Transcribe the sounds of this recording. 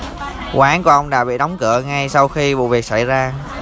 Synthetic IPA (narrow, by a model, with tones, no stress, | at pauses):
kwaː˨˦nku˧˩əʔə˧wŋ͡mɗa̰ː˧˥ɓḭ˧˨ɗɔ˨˦wŋ͡mkɨ˧˩˨əŋa˧jsa˧wxi˧vṵ˧˨vi˨˩ək̚sa˧˩jzaː˧